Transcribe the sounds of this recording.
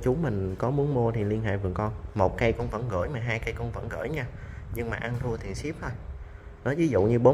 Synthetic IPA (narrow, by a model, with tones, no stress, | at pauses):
t͡ɕu˨˦mï˨˩ŋ̟kɔ˨˦mu˨˦ənmu˧ət̪ʰi˨˩li˧ənɦḛ˧˨jvɨ˨˩əŋkɔ˧nmo˨˩t̚ka˧jkɔ˧nvə̰˧˥nɣə̰ː˧˩jmaː˨˩ɦaː˧jka˧jkɔ˧nvə̰˧˥nɣə̰ː˧˩jɲaː˧ɲɨ˧ŋmaː˨˩ʔa˧nt̪ʰu˧ət̪ʰi˨˩ənsi˦˥p̚t̪ʰo˧j | nɔ˨˦vi˨˦zṵ˧˨ɲɨ˧ɓo˨˦